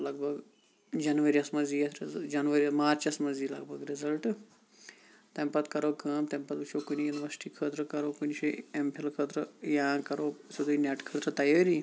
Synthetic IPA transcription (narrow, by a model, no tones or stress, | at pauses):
lɐɡ̚bʱɐɡ | d͡ʒɐnʋɐɾiɐsmɐziːɐsɾd͡ʒɐnʋɐɾiɐmaːɾt͡ʃɐsmɐziːlɐɡbʱɐɡɾɪzɐlʈ | t̪ɐmpɐt̪kɐɾoːkʰɐːmt̪ɐmpɐt̪uʃʰokunijunʋɐɾsʈiːkʰəːt̪ɾəkɐɾoːkunʃiempʰilkʰət̪ɾəjaːkɐɾoːsud̪uneʈkʰɐːt̪ɾət̪ɐjaːɾiː